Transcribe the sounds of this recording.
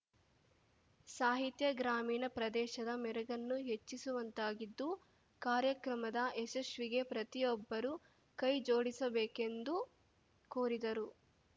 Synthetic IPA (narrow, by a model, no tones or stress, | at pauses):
saːɦit̪jɐɡɾaːmiːnɐpɾɐd̪ɛːʃɐd̪ɐmɛɾɐɡɐnːuɦet͡ʃːisuʋɐnt̪aːɡid̪ːu | kaːɾjɐkɾɐmɐd̪ɐʔɛsɐʃʋiɡe̞pɾɐt̪ijɔbːɐɾu | kɐjd͡ʒoːɽisɐbɛːke̞nd̪u | koːɾid̪ɐɾu